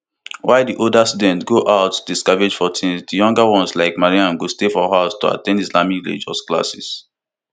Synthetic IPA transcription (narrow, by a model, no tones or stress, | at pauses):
waɪdiʔoldastudɛ̃ntɡoʔaʊtːudiskaɹed͡ʒfɔtʰĩnsdijɔ̃ŋɡawɔ̃nslaɪkmaɹiãnɡostefɔɦaʊstoa̰tɛ̃ndislamiklḛd͡ʒɔ̰skla̰sḭs